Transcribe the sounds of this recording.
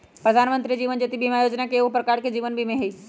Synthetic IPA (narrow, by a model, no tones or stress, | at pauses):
pɾɐd̪ʱaːnmə̃nt̪ɾid͡ʑiːʋənd͡ʑet̪ibʱimẽaːjoːd͡ʑnakeʊɦpɾɐkaːɾkʰed͡ʑiːʋənbʱimẽɦeiː